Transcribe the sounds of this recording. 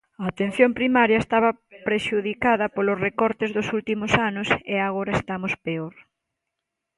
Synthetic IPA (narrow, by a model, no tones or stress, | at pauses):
ɐːt̪en̟θjompɾimaɾjɐest̪aβɐpɾeʃuðikaðɐpolʊsrekɔɾt̪ezðʊsult̪imʊsanʊseaɣoɾɐest̪amʊspeoɾ